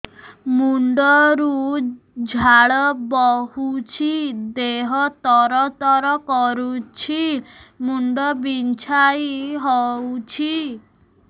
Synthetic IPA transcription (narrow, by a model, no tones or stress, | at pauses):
muɳɖɔɾu | d͡ʒʱaɭɔbɔhut͡ʃʰid̪eɦɔt̪ɔɾɔt̪ɔɾɔkɔɾut͡ʃʰimuɳɖɔbint͡ʃʰajɦɔwt͡ʃʰi